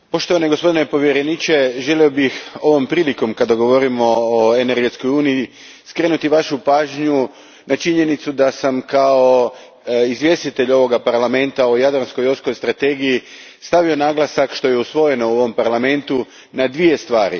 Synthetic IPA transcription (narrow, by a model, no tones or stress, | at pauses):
po̞ʃt̪oʋaneɡo̞spo̞d̪ine̞po̞ʋjeɾe̞nit͡ʃe̞ʒe̞liobixo̞ʋo̞mpɾiːliko̞mkad̪aɡo̞ʋo̞ɾimo̞ːeneɾɡe̞t̪sko̞juːnii | skɾenut̪iʋaʃupaːʒɲu | nat͡ʃiɲe̞nit̪sud̪asamkao̞ | izʋje̞st̪it̪e̞ʎo̞ʋo̞ɡapaɾlame̞nt̪aojad̪ɾanskojosko̞jst̪ɾat̪e̞ɡiji | st̪aʋio̞naːɡlˠasakʃt̪o̞je̞usʋo̞je̞no̞uoʋo̞mpaɾlame̞nt̪u | nad̪ʋie̞st̪ʋaːɾḭ